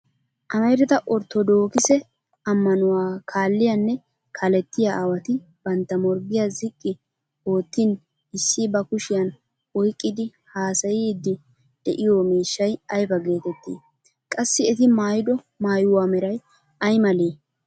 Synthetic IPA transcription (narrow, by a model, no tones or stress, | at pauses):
ʔɐmɐjɾɛt̪ɐʔɔɾt̪ːɔd̪o̞ːkɪsɛ | ɐmːɐnʊwaːkʰaːlːɪjɐnːɛ | kʰɐlɛt̪ːɪjaawɐt̪ɪ | b̥ɐnt̪ːɐmɔɾɡɪjazɪkʼːɪ | o̞ːt̪ːɪn | ɪsːibɐkʊʃɪjɐn | ɔjkʼːɪd̪ɪ | haːsɐjid̪ːɪ | d̪̥ɛʔɪjoːmiːʃːɐjɐjfɐɡe̞ːt̪ɛt̪ːḭː | kʼɐsːɪɛt̪ɪmaːjɪd̪ɔ | maːjʊwaːmɛɾɐj | ʔɐjmɐleː